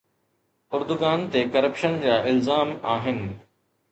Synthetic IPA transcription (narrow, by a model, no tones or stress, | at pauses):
ʊɾd̪ʊɡaːnt̪ekɐɾəpʃənd͡ʑaːʔɪlzaːmaːɦɪnɪ̆